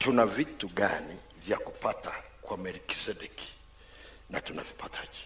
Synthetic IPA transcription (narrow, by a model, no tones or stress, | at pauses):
tunavituɠa̰ni | vjakupatakwamɛɾiki̥sɛdɛki̥ | natuna̰vipatʰaʄi